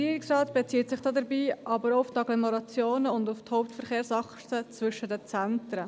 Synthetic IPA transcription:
iəɾɪksrɑːt̪b̥et͡siːtsɪχd̥ɑːdɛɾbiːʔɑbəɾoʊftɑɡlɔmoɾɑt͡sjoːnəʊndʊfthoʊp̚tfəɾχeːɾsɑχtət͡svʏʃədət͡sæntɾə

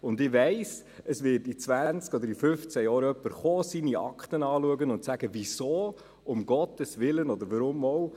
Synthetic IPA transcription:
ʊndɪʋɛɪs | əsʋɪːɾtit͡svænt͡skɔd̪əɾifʏft͡sæjɑːɾœpːəɾχoːsiniɑ̰kχtənɑːluəɡənʊntsæɡ̥əvisoː | ʊmɡ̥ɔt̪əsʋɪlənɔd̪əɾʋɑɾʊmːɔw

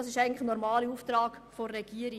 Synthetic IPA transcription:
ɑsɪʃæɪɡŋ̩ntlɪχənɔɾmɑːliuːft̪ɾɑːkforːɛɡ̥iːəɾi

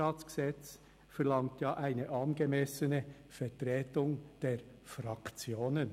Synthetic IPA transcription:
ɑːt͡sɡ̥əz̥ɛt͡s | fɛʁlɑŋtjaːʔæɪnəʔɑːnɡemɛsənə | fɛtʁɛːtʊŋd̥eːɾ | fɾɑkt͡sjoːnən

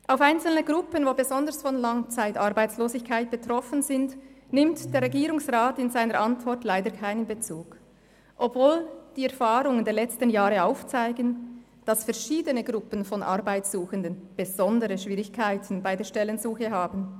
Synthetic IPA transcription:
ʔaʊfaɪnt͡sl̩nəɡʁʊpənvoːbəzɔndəʁsfɔnlaŋt͡saɪtaʁbaɪt͡sloːzɪçkʰaɪt̚b̥ətʁ̥ɔfənzɪntnɪmtd̥eːɐʁɛɡiːʁʊŋsʁaːtɪnzaɪnəɾʔantv̥ɔʁtlaɪdəkʰaɪnənbet͡suːk | ʔɔpvoːld̥iːɛɐfaːʁʊŋəndɛːɐlɛt͡stənjaːʁəaʊft͡saɪɡən | d̥asfɛɐʁʃiːdənəɡʁʊpənfɔnʔa̰ʁbaɪt͡ssuːxəndənb̥ez̥ɔndəʁəʃv̥iːʁɪçkʰaɪtʰn̩baɪdeːɐʃtɛlənzuːxəɦaːbn̩

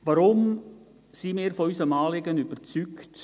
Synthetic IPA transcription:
ʋaɾʊm | simɪːɾfɔysəmɑːlɪɡənyb̥əɾt͡sykt

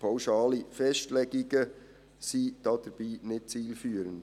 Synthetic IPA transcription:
pʰawʃɑːlifɛʃtlɛɡiɡə | sid̥ɑːd̥əɾb̥iːnɪt̚t͡siːlfyːəɾənd

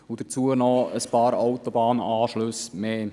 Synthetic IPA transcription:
ʊd̥̪əɾt͡suːənɔəspɑːɾawt̪ɔbɑːnɑːʃlɵsmeː

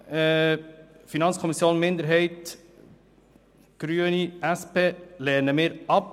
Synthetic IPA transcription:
ɛ | finɑnskʰɔmisjoːnmɪnd̪əɾɦɛɪt | ɡ̥ɾyəniʔæspeːlɛnəmɪːɾɑp̚

